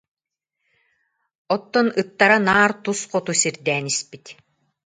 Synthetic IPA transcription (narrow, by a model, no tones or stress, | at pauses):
ɔt̪ːɔnɯt̪ːaɾanaːɾt̪usqɔt̪usiɾd̪ɛːnispit̪